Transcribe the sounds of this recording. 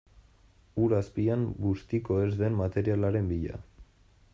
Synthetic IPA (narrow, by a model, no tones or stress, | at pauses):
uɾaspiambust̪iko̞e̞zðe̞mːat̪e̞ɾialaɾe̞mbiʎa̰